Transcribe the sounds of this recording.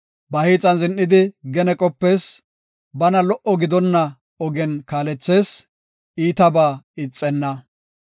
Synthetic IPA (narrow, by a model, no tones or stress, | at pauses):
bɐhiːt͡sʼɐnzɪnʔːɪd̪ɪɡɛnɛkʼɔpːe̞ːs | bɐnɐlɔʔɔɡɪd̪ɔnːɐ | ɔɡɛnkaːlɛt͡sːe̞ːs | iːt̪ɐbaːɪt͡sʼːɛnːɐ